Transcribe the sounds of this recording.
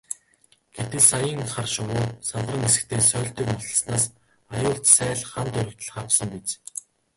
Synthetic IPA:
ɡ̥et̪ɘ̆ɮsajəːŋχarʃʊwʊːsant̪rə̆ŋesɘ̆k̚t̪ʰeːsœːɬt̪iːkmɔt̪ɞə̆snaːs | ajʊːɮt̪sæːɮχant̪ɵɾɵ̆kt̪ə̆ɮχapsə̆mpit͡s

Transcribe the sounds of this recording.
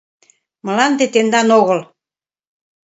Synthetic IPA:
mə̆lɑnd̪et̪end̪ɑnoɣə̆l

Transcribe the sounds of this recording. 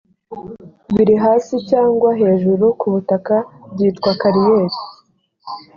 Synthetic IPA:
βiɾiɦaːsicaːŋɡwaɦe̞ːʒuɾukuβutakab̚ɟiːtkwakaɾijeːɾi̥

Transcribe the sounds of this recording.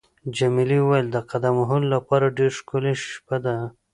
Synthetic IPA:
d͡ʒamiliwajld̪əqad̪amɦʊlːapɑɾaɖeɾʃkoliʃpad̪a

